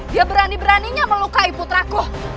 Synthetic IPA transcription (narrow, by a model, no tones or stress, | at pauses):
diabəɾanibəɾaniɲaməlukaiput̪ɾakʊh